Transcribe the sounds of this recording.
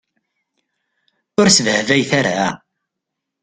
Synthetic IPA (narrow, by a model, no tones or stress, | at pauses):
ʊɾsvəhvæjθaɾa̰